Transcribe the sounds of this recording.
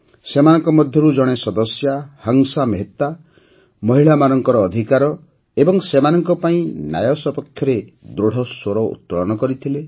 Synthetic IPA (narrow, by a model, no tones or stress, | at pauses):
semanɔŋkɔmɔd̪ʱjɔɾud͡ʒɔɽ̃esɔd̪ɔsjahɔŋsamɦet̪a | mɔɦiɭamanɔŋkɔɾɔːd̪ʱikaɾɔ | ebɔŋsemanɔŋkɔpaĩna̰jɔsɔpɔkʰjɔɾed̪ɾoɽ̤ɔsoɾɔṵt̪̚pɔɭɔñɔkɔɾit̪ʰile